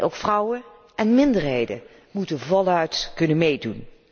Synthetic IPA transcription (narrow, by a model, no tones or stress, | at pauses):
ʔo̰wkfrʌwə | ʔɛnmɪndəɹɦejdə̰ | mutəvɔlœɥtkɵnənmejdun